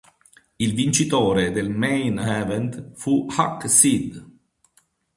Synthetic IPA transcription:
ilvint͡ʃit̪oːɾed̪elmɛjnɛvɛnt̪fuhaksid̪

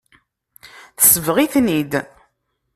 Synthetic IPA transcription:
θə̥səvʁiθnid̪

